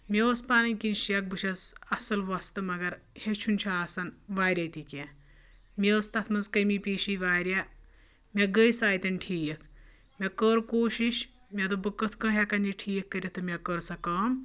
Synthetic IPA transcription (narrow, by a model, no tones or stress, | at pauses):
mʲeospaːnɐnʲkinʃiɐk̚bɨʃɐzɐsɐlʋɐst̪ɨmɐɡɐɾ | het͡ʃʰunʲt͡ʃʰaːsɐnʋaːɾʲɐt̪ikʲa | mʲeəst̪ɐt̪ʰmɐzkɐjmipʲiːʃiːʋaːɾʲja | mʲeɡəjsaːjt̪ɐnʲʈʰiːjɐkʰ | mʲakəːɾkoːʃiʃ | mʲɐt̪obɨkːɐt̪ʰkɐ̃ːɦʲakɐnjiʈʰiːjɐkːɐɾʲɐt̪ːɨmʲɐkəɾsɐkɐːm